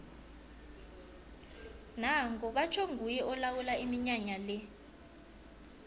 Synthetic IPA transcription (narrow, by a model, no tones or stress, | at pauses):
naŋɡɔɓat͡ʃʰɔŋʱujɛʔɔlawulaimiɲaɲalɛ